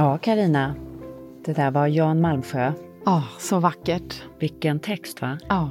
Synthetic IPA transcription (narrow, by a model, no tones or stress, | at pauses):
jɑːkʰaɾiːna | d̪̥ɛd̪æːɾvaɾjɑːnmalmɧøː | ɑːsɔvakːəʈvɪkːənt̪ʰɛkst̪vaɑː